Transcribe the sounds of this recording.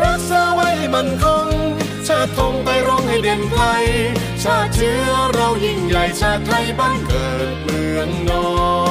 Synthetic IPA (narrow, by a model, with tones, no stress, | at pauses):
ɾa˦˥k̚saː˧˥wa˧˩jma˧˥nkʰo˧˥ŋ | t͡ɕʰaː˧˩t̪ʰːo˧ŋpa˧jɾo˧ŋha˥˩jde˧˩nkʰla˧j | t͡ɕʰaː˧˩k̚t͡ɕʰɯː˦˥ɾa˧whi˧˩ŋja˨˩jt͡ɕʰaː˧˩t̪̚ʰːa˧˩jbaː˧˥˩ŋkɤː˨˩t̪̚mɯː˨˩ənːɔː˧